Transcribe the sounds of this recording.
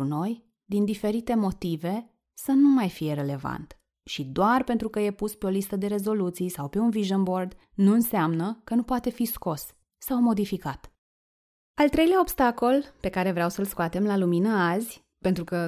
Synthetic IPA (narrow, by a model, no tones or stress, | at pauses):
uno̞j | d̪ind̪ife̞ɾit̪e̞mo̞t̪ive̞ | sənumajfije̞ɾe̞le̞va̰nt̪ | ʃid̪oarpe̞nt̪ɾukəje̞puspe̞o̞list̪əd̪e̞ɾe̞zo̞lut̪sijsawpe̞unviʒənbo̞rd̪ | nuɨnseamnəkənupoat̪e̞fisko̞sː | awmo̞d̪ifikat̪ | alt̪ɾe̞jlʲaobst̪ako̞lpe̞kaɾe̞vɾeawsəlskoat̪e̞mlaluminəazʲ | pent̪ɾukə